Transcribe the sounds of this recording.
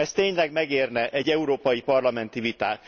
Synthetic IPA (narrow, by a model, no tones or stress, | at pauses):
ɛst̪eːɲlɛɡmɛɡeːrnɛʔɛɟːɛuɾoːpɒjipɒrlɒmɛn̪t̪ivit̪a̰ːt̪